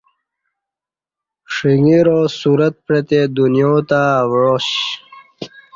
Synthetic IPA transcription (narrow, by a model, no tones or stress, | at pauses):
ʂiŋiɾosuɾət̪̚pɾet̪ed̪unjõt̪awɻoɕ